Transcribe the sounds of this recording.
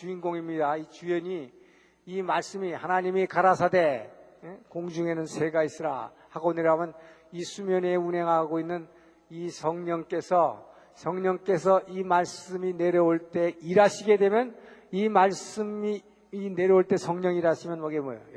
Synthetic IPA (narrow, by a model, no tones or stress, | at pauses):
t͡ɕuinɡoŋimɲidait͡ɕujʌɲi | imaɭs͈ɯmihanaɲimikaɾasʰade̞ | ekoŋd͡ʑuŋe̞nɯnsʰe̞ɡais͈ɯɾa̰ | haɡoneɾjʌamjʌn | isʰumjʌne̞unɦe̞ŋɦaɡoinːɯn | isʰʌŋɲʌŋk͈e̞sʰʌ | sʰʌŋɲʌŋk͈e̞sʰʌʔimaɭs͈ɯmine̞ɾjʌoɭt͈e̞iɾaɕʰiɡe̞dwe̞mjʌnimaɭs͈ɯmi | ine̞ɾjʌoɭt͈e̞sʰʌŋɲʌŋiɾaɕʰimjʌnmʌɡemʌ̰jo